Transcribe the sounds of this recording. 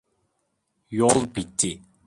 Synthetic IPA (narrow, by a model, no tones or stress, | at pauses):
jɔlˠpit̪ʰːi